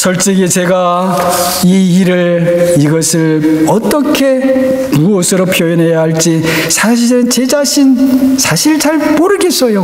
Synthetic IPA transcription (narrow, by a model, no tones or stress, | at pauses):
sʌɭt͡ɕ͈iɡit͡ɕe̞ɡa | iːɾɯɭiɡʌsʰɯɭʌt͈ʌkʰe̞ | muʌsʰɯɾopʰjojinɦejaɦaɭt͡ɕ͈i | sʰaɕ̬ʰiɾɯnt͡ɕe̞d͡ʑaɕʰinsʰaɕʰiɭt͡ɕaɭpoɾɯɡe̞s͈ʌjo